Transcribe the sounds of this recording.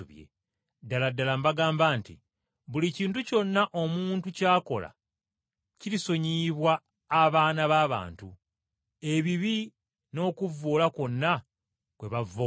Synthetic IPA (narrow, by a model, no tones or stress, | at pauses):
uβjḛ | daladːalambaɡaːmbaːntḭ | βuliciːntuco̞nːaʔomuːntucaːko̞̰la̰ | ciɾiso̞ɲiːβwaː | βaːnaβaːβa̰ːntu | e̞βiβi | no̞ːkuvːoːlako̞nːa | kwe̞βavo